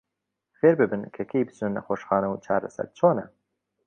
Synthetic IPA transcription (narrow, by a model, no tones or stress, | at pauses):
xeːɾbɨbɨnkʰɐkʰejbɨsnɨnːɐxoːʃxɑːnɐwt͡ʃʰaːɾɐsɐ̰ɾt͡ʃʰoːnɐ